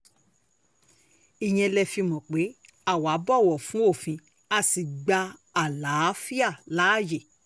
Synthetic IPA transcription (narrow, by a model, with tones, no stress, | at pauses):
i˨j̃ɛ̃˧lɛ˧fi˧mɔ̃˨k͡pe˨˦ | a˦˨wa˨˦bɔ˦˨wɔ˨fũ˨˦o˦˨fĩ˧ | a˧si˨ɡ͡ba˧a˨la˨˦fi˦a˦˨la˨˦˨je˨